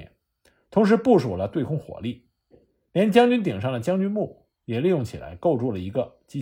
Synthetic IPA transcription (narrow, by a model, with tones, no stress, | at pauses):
n | t̪ʰʊ˧˥ŋʂ̬ɻ̩˧˥pu˥˩ʂu˨˩lə˦t̪we˥˩ɪkʰʊ˥ŋxwɔ̰˧˥li˥˩ | ljɛ˧˥n˥˩t͡ɕjɑ˥ŋt͡ɕy˥nt̪̬i˨˩ŋʂɑ˥˩ŋd̪ə˩t͡ɕjɑ˥ŋt͡ɕy˥nmu˥˩ | jɛ˨˩li˥˧jʊ˥˩ŋt͡ɕʰi˨˩la̰˧˥ɪko˥˧ʊʈ͡ʂu˥˩lə˩i˧˥ɡə˧t͡ɕi˥